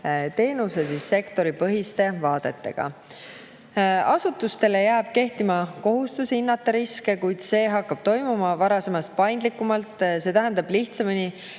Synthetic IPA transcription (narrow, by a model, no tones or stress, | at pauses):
t̪e̞ːnusesisːe̞kt̪o̞ɾipɤɦist̪e̞vɑːd̪̥e̞t̪ːe̞̰ɡ̥ɑ̰ | ɑsut̪ːˑust̪e̞le̞jæːb̥̚ke̞ht̪imɑko̞ɦust̪usinːɑt̪ːˑeɾiskekujd̪̥se̞ːɦɑkːɑb̥̚t̪o̞jmumɑvɑɾɑse̞mɑst̪̚pɑjnd̪likːˑumɑlt̪ːˑse̞ːt̪æɦænd̪̥ɑb̥liht̪sɑmini